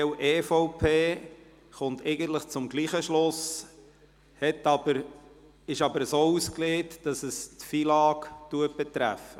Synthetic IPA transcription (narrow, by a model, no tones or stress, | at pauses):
ɛwʔeːfɔʊpʰeː | χʊntʰɛɪɡənt̪ləχt͡sʊmɡliːχəʃlʊs | hɛtɑbəɾ | ɪʃɑbəɾsoːuskleːtd̥ɑsəstfilɑːktuət̚b̥ɛt̪ɾæ̰fə